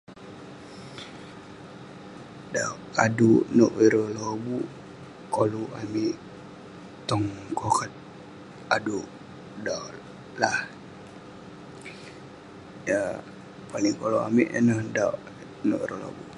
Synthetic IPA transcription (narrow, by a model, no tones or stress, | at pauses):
da̰ʔadunoʔiɾolobu | koloʔamiʔ | t̪ɔŋkokət̪̚ | aduʔ | da | lah | ja | paliŋkoloa̰miʔə̰nəhdaʔ | no̰ʔiɾo̰lo̰bṵ